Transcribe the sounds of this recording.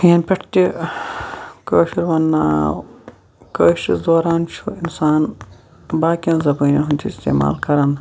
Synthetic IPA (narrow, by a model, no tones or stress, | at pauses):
enʲpʲɐʈt̪ʲi | kəːʃiɾʋɐnːaː | kəːʃisd̪oːɾaːnt͡ʃʰuinsaːn | baːkʲiɐnzɐbɐːnɐɦunt̪ʲʰiist̪ḛːma̰ːlkɐɾɐn